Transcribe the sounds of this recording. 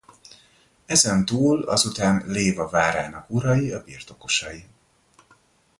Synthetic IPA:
ɛzɛnt̪uːlɒ̰zut̪aːnleːvɒvaːɾaːnɒkuɾɒjiɒbiːrt̪o̞ko̞ʃɒji

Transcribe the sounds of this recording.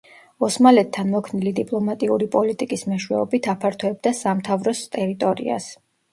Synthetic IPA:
ɔsmalɛt̪ʰːanmɔkʰnilid̪ipʼlˠɔmat̪ʼiuɾipʼɔlit̪ʼikʼismɛʃwɛ̰ɔbit̪ʰapʰaɾt̪ʰɔɛb̚d̪asamt̪ʰavɾɔst̪ʼɛɾit̪ʼɔɾḭa̰s

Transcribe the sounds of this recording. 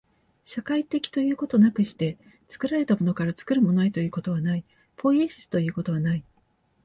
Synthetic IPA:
ɕakait̪e̞kʲi̥t̪o̞jɯ̟ːko̞t̪o̞nakɯ̟ɕi̥t̪e̞ | t͡sɨ̥kɯ̟ɾaɾe̞t̪amo̞no̞kaɾat͡sɨ̥kɯ̟ɾɯ̟mo̞noet̪o̞jɯ̟ːko̞t̪o̞β̞anai | pʰo̞iɕi̥sɨ̥t̪o̞jɯ̟ːko̞t̪o̞β̞anai

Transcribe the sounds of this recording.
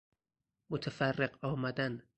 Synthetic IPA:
mot̪ʰæfærːeɢɒːmæd̪æn

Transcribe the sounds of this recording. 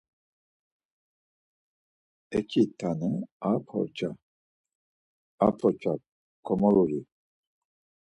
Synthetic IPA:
ɛkʰit̪ʰanəapʰɔ̰ɾt͡ʃʰa | apʰɔt͡ʃʰa | kʰɔmɔɾuɾi

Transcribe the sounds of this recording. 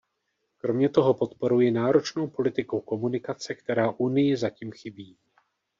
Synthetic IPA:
kɾo̞mɲɛt̪o̞ɦo̞po̞t̪po̞ɾujɪnaːɾo̞t͡ʃno̞wpo̞lɪt̪ɪkowko̞munɪkat͡sɛkt̪ɛɾaːʔunɪjɪzaciːmxɪbiː

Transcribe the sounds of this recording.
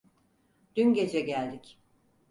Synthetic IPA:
d̪̥ynɟe̞d͡ʒɛɟælʲd̪ic

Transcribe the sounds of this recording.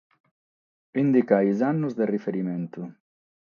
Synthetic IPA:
ind̪ikajzanːuzd̪erifeɾiment̪u

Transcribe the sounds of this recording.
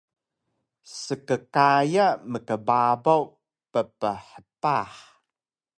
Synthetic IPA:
səkəkajaməkəbabaw | pəpəħəpaħ

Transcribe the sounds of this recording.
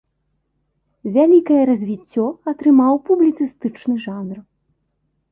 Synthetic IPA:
vʲalʲikɐjɛɾɐzʲvʲit͡sʲːɔɐt̪ɾɨmawpublʲit̪sɨst̪ɨt͡ʂnɨʐanr

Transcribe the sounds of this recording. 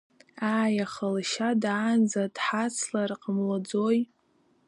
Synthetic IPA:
aːjaχəlʃadaːnd͡zad̥ħat͡sʰlarqʼəmlad͡zoj

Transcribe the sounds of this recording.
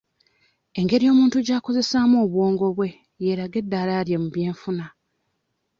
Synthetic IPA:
e̞ŋɡe̞ɾijo̞ːmuːntuɟaːko̞ze̞saːmo̞ːβwo̞ːŋɡo̞βwe̞ | je̞ɾaɡe̞dːaɾaɾjemuβje̞ːɱfuna

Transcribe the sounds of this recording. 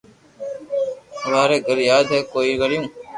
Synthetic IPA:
ʋaːɾeːɡəɾjaːd̪ʱɦɛːkoːiːɡəɽɪjõː

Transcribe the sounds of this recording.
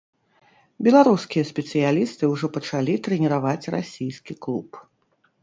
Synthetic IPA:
bʲɛlˠaɾuskʲijɐsʲpʲɛt̪sɨjalʲist̪ɨwʐɔpɐt͡ʂalʲit̪ɾɛnʲɛɾavat͡sʲra̰sʲijskʲiklˠup

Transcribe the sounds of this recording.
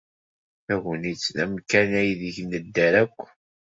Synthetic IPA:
θæɣənit͡sːæmkːænæjiðəʝnəd̪ːæɾækʷː

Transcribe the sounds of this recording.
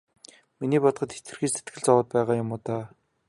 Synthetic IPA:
miniːpɔt̪ɢɞ̆t̪xe̥t̪ɡɘ̆rxiːset̪ɡɘ̆ɮt͡sɔwəːt̪̚pæːʁaːjʊmʊːt̪aː

